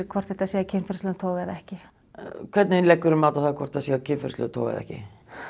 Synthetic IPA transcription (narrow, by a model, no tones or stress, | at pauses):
kʰvɔrt̪θɛht̪asiːɣacʰɪnfɪɾ̥slʏt̪ʰoːwɣɛðɛhcɪ | kʰvɛt̪nɪlɛkːʏɾʏmaːwt̪aθaðkʰvɔr̥t̪ʰːaðsiːacʰɪnfɪ̰ɾst̪lʏ̰t̪ʰo̰wɣɛ̰ðɛ̰hcɪ̰